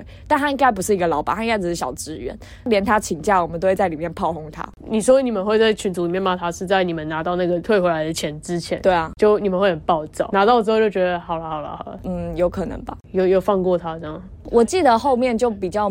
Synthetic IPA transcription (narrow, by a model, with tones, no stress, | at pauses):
t̪a˥˩nʰa˥i˥ŋɡa˥ɪp̬u˧˥ʂɻ̩˥˩i˧˥ɡə˧lɑ˧˥ʊpɑ̰˨˩˦t̪a˥ŋka˥ʈ͡ʂɻ̩˨˩ʂɻ̩˥˩ɕjɑ̰˨˩ʊʈ͡ʂɻ̩˧˥ɥɛ̰˧˥n | ljɛ˧˥nt̪ʰa˥t͡ɕʰi˨˩ŋt͡ɕja˥˩wɔ˨˩mə˨no˥˧we˥˧ɪt͡sa˥˩ɪli˨˩mjnpʰɑ˥˧ʊxʊ˥˧ŋt̪ʰa̰˥ni˨˩ʂɔ˥˧˥ni˨˩ə˦xwe˥˧ɪt͡sa˥˩ɪt͡ɕʰy˧˥nt͡su˧˥li˨˩mjɛ˥˧nma˧˥t̪ʰa˧˥ʂɻ̩˥˧t͡sa˥˩ɪni˨˩mə˦na˧˥t̪ɑ˥˧ʊna˥˩ɡə˩t̪ʰwe˥ɪxwe˧˥ɪa˧ɪd̪ə˨t͡ɕʰjɛ˧˦nʈ͡ʂɻ̩˦t͡ɕʰjɛ̰˧˦nt̪we˥˩ɪɐ˩t͡ɕjo˥˩ʊni˨˩mə˨˦xwe˥˩ɪxə˨˩npɑ˥˧ʊt͡sɑ̰˥˩ʊna˧˥t̪ɑ˥˩ɻ̩˧˥xo˥˧ʊt͡ɕo˥ʊt͡ɕɥɛ˧d̪ə˧xɑ˨˩ʊlə˦xɑ˨˩ʊlə̰˦hɑ˨˩ʊlə̰˦n̩˥˩jo˧˥ʊkʰɤ˨˩nɤ̰˧˦ŋbɐ˨jo˥˧ʊjo˥˩ʊfɑ˥˧ŋkwɔ˥˩t̪ʰa˥ʈ͡ʂɤ˥˧jɑ˨˩ŋ | wʔɔ˨˩t͡ɕi˥˩d̪ə˩xo˥˧ʊmjɛ˥˧nt͡ɕjo˥˩ʊpi˨˩t͡ɕjɑ˥˩ʊ